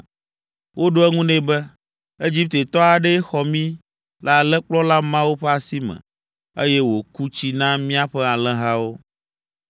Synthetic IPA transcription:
wʔo˦ɖo˦ɛ˦ŋũ˦nɛ̃˦bɛ˦ | e˦d͡ʑi˦p̚t̪e˨t̪ɔ˦a˨ɖɛ˦xɔ˨mĩ˦ | la˨lɛ˦k͡plɔ˦la˦mã˦wo˦ɸɛ˦a˨si˦mɛ̰̃˨ | ḛ˦jɛ˦wo˨ku˦t͡ɕi˦nã˦mĩ˦a˦ɸɛ˦a˨lɛ̃˦ɦa˦wo˦

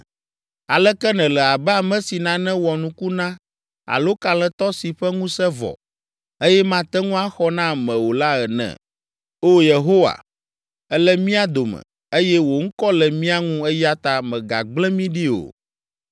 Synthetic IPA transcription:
a˨lɛ˦kɛ˦nɛ̃˨lɛ˨a˨bɛ˦a˨mɛ̃˦si˨nã˦nɛ̃˦wɔ˨nũ˦ku˦nã˦ | a̰˨lo˦ka˨lɛ̃˨t̪ɔ˦si˨ɸɛ˦ŋũ˦sɛ˦vɔ̰˨ | e˦jɛ˦mã˦t̪ɛ˦ŋũ˦a˦xɔ˦nã˦mɛ̃˨wo˨la˦ɛ˨nɛ̰̃˨ | o˦je˨ɦo˦wa̰˨ | ɛ˦lɛ˦mĩ˦a˦d̪o˨mɛ̰̃˨ | e˦jɛ˦wo˨ŋ̩˦kɔ˦lɛ˨mĩ˦a˦ŋũ˦ɛ˦ja˦t̪a˨mɛ̃˨ɡa̰˨ɡ͡blɛ̃˦mĩ˦ɖi˦o̰˨

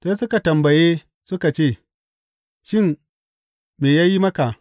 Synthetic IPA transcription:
se˦sʊ˦ka˨tɐ˨mbɐ˨je˦ | sʊ˦ka˨t͡ʃeː˦˨ | ʃɪ˦˨n | meː˨jaː˦ji˦mɐ˦ka˨

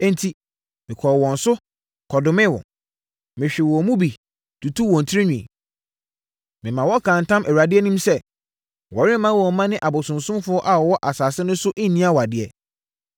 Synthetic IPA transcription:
ɛ̃˦n˦tʰi˨ | mɪ̃˨kʰɔ˨wɔ̃˨n̩˨sʊ˦ | kʰɔ˨dʊ˨mɪ̃˦wɔ̰̃˨ | mɪ̃˨ɕᶣɪ˨wɔ˨mũ˦bi˨ | tʰu˨tʰu˦wɔ̃˨n̩˨tʰɾi˦ɲᶣḭ̃˨ | mɪ̃˨mã˨wɔ˦kʰã˨n˨tʰã˦mʔæ˨ɥɾa˨dɪ˦ɛ˦nĩ˦msɛ˦˨ | wɔ˨ɾɪ̃˦mã˦wɔ˨mã˦nɪ̃˦ʔa˨bʊ˨sʊ̃˨nsʊ̃˦mfʊ˦ɔ˦ʔa˨wɔ˨wɔ˦ʔa˨saː˨sɪ˦nʊ̃˦sʊ˦ʔɪ˦nĩ˦a˦wa˨dɪ˨ɛ˨

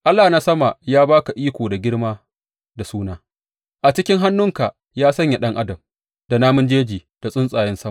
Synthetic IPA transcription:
ʔa˦lːaː˨na˦sɐ˦ma˨jaː˦baː˦ka˨ʔiː˦kʷoː˨da˨ɡʲɪ˦ɽmaː˦ | da˨suː˦naː˦ | ʔa˨t͡ʃɪ˦kʲɪ˦ŋɦa˦nːʊ˦ŋka˨ | jaː˦sɐ˦ɲja˨ɗɐ˦ŋʔa˦dɐ˨m | da˨naː˦mʊ˦nd͡ʒeː˦d͡ʒiː˨ | d̥a˨sʼʊ˦nsʼaː˨jɪ˦nsɐ˦ma˨

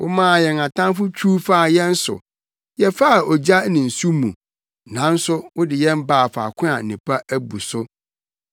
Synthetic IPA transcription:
wʔʊ̰˦mãː˦˨jɛ˨ŋã˨tʰã˦fʊ˦t͡ɕʰuː˦fa˦˨jɛ̃˦n̩˦sʊ̰˨ | jɛ˨fa˦˨ɔ˨d͡ʑa˦nĩ˨n̩˨su˦mṵ̃˨ | nã˨˦n̩˦sʊ˦wʊ˦dɪ˨jɛ̃˦m˦baː˦˨fa̰˨kʷʰʊ̃˦a˨n̩˨nĩ˨pʰa˦ʔæ˦bu˨sʊ˦

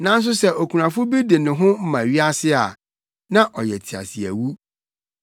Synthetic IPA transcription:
nã˦n̩˦s̬ʊ˦sɛ˦ʔo˨kʰu˨ɾã˨fʊ˦bi˦de˨nɪ̃˨ɦʊ̃˦m̩˦mã˨ɥi˦a˦sɪ˦a˨ | nã˦ʔɔ˨jɛ˨tʰi˨a̰˨si˨æ̰˨wu˦

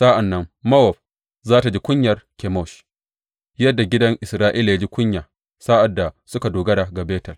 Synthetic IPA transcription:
sa˦ʔa˨nːɐ˦mmɐ˦wɔ˨ɸ̚ | zaː˦ta˨d͡ʒi˦kʷʊ˦ɲjɐ˨rkʲɛ˨mɔ˦˨ʃ | jɐ˦dːa˨ɡʲɪ˦dɐ˦ŋʔɪ˨sɾaː˦ʔiː˦la˨ja˦d͡ʒiː˦kʷʊ˦ɲjaː˨ | sa˦ʔa˨dːa˨sʊ˦ka˨doː˨ɡɐ˦da˨ɡa˨beː˦tɐ˨l

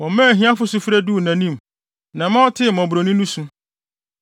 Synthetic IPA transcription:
wɔ̃˨mã˦˨ɦĩ˦ã˦fʊ˦sʊ˦fɾæ˦du˦˨nã˨nĩ˦˨m | nã˨mã˦tʰɪ˦mɔ̃˨bɾo˨nĩ˦nũ˦sũ˦

